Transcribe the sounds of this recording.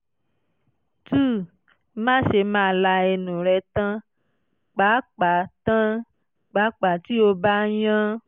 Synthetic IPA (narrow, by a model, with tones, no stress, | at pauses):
tu˦˨ | mã˦ʃe˧mãː˧˦˨la˧e˧nũ˨ɾɛ˧tã˦ | k͡pa˨˦k͡pa˨˦tã˦ | k͡pa˨˦k͡pa˨ti˦o˧ba˦jã˦